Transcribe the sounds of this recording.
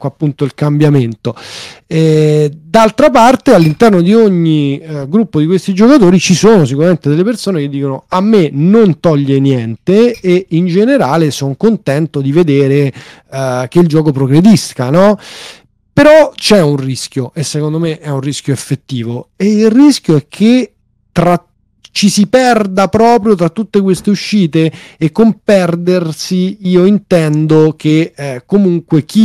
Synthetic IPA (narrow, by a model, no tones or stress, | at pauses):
apːunt̪oilkambjament̪oɛd̪alt̪ɾapart̪ealːint̪ɛrnod̪ioɲːiɡɾupːod̪ikwest̪id͡ʒokat̪̬oːɾit͡ʃisoːnos̬ikuɾament̪ed̪elːepersoːneked̪ːiːkonoamːenont̪ɔʎːenjɛnt̪eːind͡ʒeneɾaːlesɔŋkont̪ɛnt̪od̪ived̪eːɾe | k̟eild͡ʒɔːkopɾoɡɾed̪iskanɔ | peɾɔt͡ʃɛunrisk̟ʲjoʔesːekond̪omeʔɛunrisk̟joefːet̪ːiːvoeilriskʲjoɛkʰːe | t̪ɾa | t͡ʃisipɛrd̪apɾɔːpɾjot̪ɾat̪ːut̪ːek̬west̪euʃːiːt̪eːkːompɛrd̪ersiiːoint̪ɛnd̪okʰekːomuŋkwek̟i